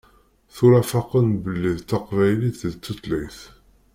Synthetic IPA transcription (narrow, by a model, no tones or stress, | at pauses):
θʊɾæfɑqənbəlːiðt̪ːaqvæjliθət͡s̪ːət̪liθ